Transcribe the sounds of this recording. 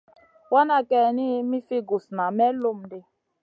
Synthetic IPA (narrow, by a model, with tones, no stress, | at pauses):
wa˦na˨kɛ˨ni˦mi˦fi˦ɡu˨sna˨mɛ˦lo˦m̩de˦